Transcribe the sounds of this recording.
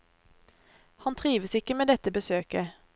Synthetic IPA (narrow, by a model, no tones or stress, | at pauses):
hɑnt̪ʰʁiːʋəsɪkəmeːd̪ɛt̪əbəsøːkə